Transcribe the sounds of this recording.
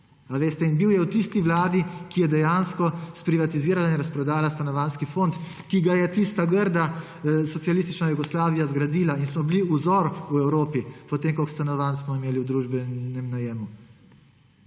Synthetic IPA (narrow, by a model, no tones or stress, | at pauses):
aʋeːst̪ɛinbiwjɛwt̪ist̪iʋlaːd̪ikijɛd̪ɛjaːnskɔspɾiʋat̪iziːɾalainɾaspɾɔd̪aːlast̪anɔʋanskifont̪ | kiɡajɛt̪ist̪aɡəɾd̪a | sɔtsialist̪it͡ʃnajuɡɔslaːʋijazɡɾad̪iːlainsmɔbliuzɔɾuɛwɾoːpipɔt̪eːmkokst̪anɔʋansmɔimeːliwd̪ɾuːʒbɛnɛmnajeːmu